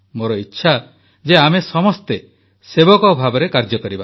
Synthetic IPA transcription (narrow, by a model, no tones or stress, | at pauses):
moɾɔitːʃʰa | d͡ʒeamesɔmɔst̪e | sebɔkɔbʱabɔɾekaɾd͡ʒɔkɔɾiba